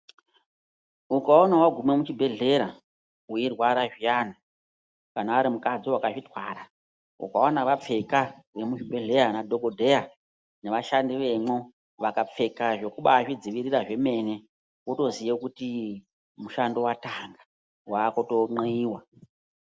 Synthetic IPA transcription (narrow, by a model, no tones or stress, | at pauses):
ukaonawaɡʱume̞mut͡ʃibʱe̞ɮe̞ɾa | uirwaɾaʐijan̤a | kanaːɾimukad͡ziwakaʐitwaɾa | ṵkaonaʋap͡fe̞ka | ʋe̞mut͡ʃibʱe̞ɮe̞ɾanadʱo̞ɡodʱe̞ja | ne̞ʋaʃandiʋe̞mo | ʋakap͡fe̞kaʐe̞kuɓaːʂid͡ziʋiriraʐe̞me̞ne̞ | koto̞zijekuti | muʃando̞wataŋɡḁ | waːkoto̞ŋ͡ǃeiːwa